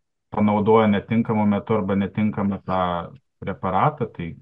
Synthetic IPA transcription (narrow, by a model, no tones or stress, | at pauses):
pɐnɐʊd̪oːjɛnʲɛt̪ʲɪŋkɐmʊmʲɛt̪ʊɐrbɐnʲɛt̪ʲɪŋkɐmɐt̪ɑː | pʲɾʲɛpɐɾɑːt̪ɐt̪ɐɪ